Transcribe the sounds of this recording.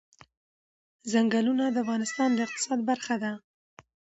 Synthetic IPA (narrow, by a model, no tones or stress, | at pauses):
zaŋɡalunad̪əafɣɑnɪst̪ɑnd̪əɪq̚t̪ɪ̥sɑd̪baɾxad̪a